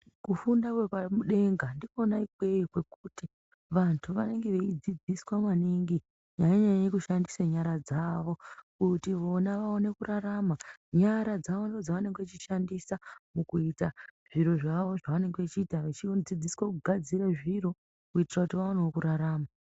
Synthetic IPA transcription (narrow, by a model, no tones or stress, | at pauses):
kufundakwepamuɗe̞ŋɡandinonaikweikwe̞kuti | ʋantʰuʋane̞ŋɡe̞ʋe̞id͡zid͡ziswamaniŋɡi | ɲajaɲajaje̞kuʃandisaɲaɾad͡zaʋo̞kutiʋo̞naʋaone̞kuraɾamaɲaɾad͡zaʋondod͡zaʋane̞ŋɡeet͡ʃiʃandisamukuitaʐ̥iɾo̞ʐaʋo̞ʐaʋane̞ŋɡeʋet͡ʃiːtaʋet͡ʃid͡zid͡ziswakuɡʱad͡ziɾaʐiro̞ | kuitirakutiʋaoneokuɾaɾaːma